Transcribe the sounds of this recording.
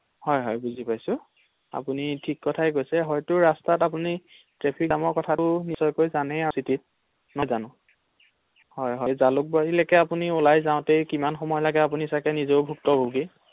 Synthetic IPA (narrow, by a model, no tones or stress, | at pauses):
hɔjɦɔjbuzipajsʊ̃ | a̰punitʰikːɔtʰajɡojsɛɦɔjtʊɹastatap̬uni | tɹepʰikamɔkɔtʰatʊnisɔjkojzanɛasitit̚ | nɔzanʊ̃ | hɔjɦɔjzalʊk̚baɹilakɛapuniulajzãʊ̃tejkimanxɔmɔjɔlaɡɛap̬unisakɛnizoʊbʱuk̚tɔbuɡi